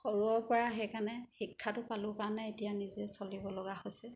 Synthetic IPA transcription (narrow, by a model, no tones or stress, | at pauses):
xoɹuɔpɔɹaɦejkanɛxikʰːatʊpalʊkaɹnɛetijanizɛsolibɔlɔɡahojsɛ